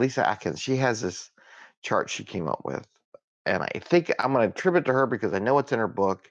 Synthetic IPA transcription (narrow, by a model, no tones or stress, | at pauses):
lisɨ̰ʔæ̰kɨ̰̃nz̥ʃiɨzðɪs | t͡ʃʰɑ̰ɹt͡ʃʃikʰẽɪ̃mʌ̰pwɪ̰ð̥ | ʔɨ̰̃na̰ɪθɪ̃ŋkã̰ɪ̃mɡʌnɨtʰɹ̥ɪbjɨtʰɨə˞bɨkʰʌzaɪnoʊwʌtsɨ̃nə˞bʊk